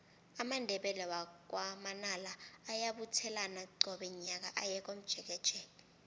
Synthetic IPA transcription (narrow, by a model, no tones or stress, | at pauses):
amandʱɛɓɛlɛwak̬ʼwamanalaːjaɓutʰɛlanaɡ͡ǀʱɔɓɛɲak̬a̰ʔajɛk̬ʼom̩d̥ʒ̥ʱɛk̬ɛd̥ʒ̥ʱɛːli